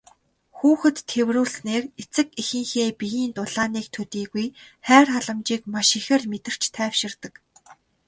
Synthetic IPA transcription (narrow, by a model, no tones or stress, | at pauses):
xuːxɘ̆t̪ʰːewruːɮneːret͡sɘ̆kixɘ̆ŋxeːpijiːnt̪ʊɮaːniːk̚t̪ʰɵt̪iːɣuj | χæːrχaɮə̆mt͡ɕiːkmaʃixĕːrmet̪ɘ̆r̥t͡ɕt̪ʰæːwʃɪ̆rt̪ə̆k